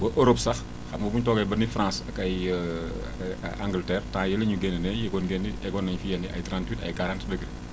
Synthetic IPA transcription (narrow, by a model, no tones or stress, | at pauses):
bəʔoɾopsɐx | xɐmbəbuɲtɔːɡɐjbɐnifrãsɐkɐj | aŋɡltɛːrtãjɛlɐɲuɡɛninɛjɛɡɔnɡenːiɛɡɔnːɐɲfijɐnːiʔɐ̰jtɾãːntwitɐ̰jkaɾãntdəɡɾe